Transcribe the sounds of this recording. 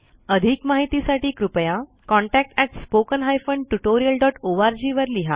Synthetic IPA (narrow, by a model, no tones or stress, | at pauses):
əd̪ʱikmaɦit̪isaʈiːkɾupəja | kɔ̃ɳʈæk̚ʈɛʈspokənɦajfəɳɖʈuʈoɾijəlɖɔʈoʋaɾd͡ʑiːʋəɾliɦa